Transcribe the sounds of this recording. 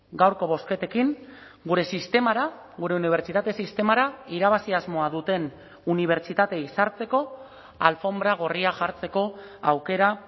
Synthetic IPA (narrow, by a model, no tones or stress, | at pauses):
ɡawɾko̞β̞o̞ske̞t̪e̞kiŋ | ɡuɾe̞sist̪e̞maɾa | ɣuɾe̞uniβ̞e̞ɾt͡ʃit̪at̪e̞sist̪e̞maɾaiɾaβasiazmo̞aðut̪e̞n | uniβ̞e̞ɾt͡ʃit̪at̪e̞isaɾt͡se̞ko̞ | alfo̞mbɾaɣ̞o̞riaʝaɾt͡se̞ko̞awke̞ɾa